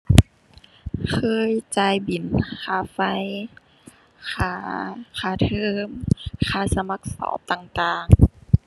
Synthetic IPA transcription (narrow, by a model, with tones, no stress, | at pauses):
kʰɤː˧˥jt͡ɕaː˧˩jbi˨˩˦nkʰaː˧˩˦fa˧˩˨j | kʰaː˧˦kʰaː˧˩˦t̪ʰɤː˧˨˧mkʰaː˧˩˦sa˧ma˧˦k̚sɔ̰ː˧˦p̚t̪aː˧˨ŋt̪aː˧˨ŋ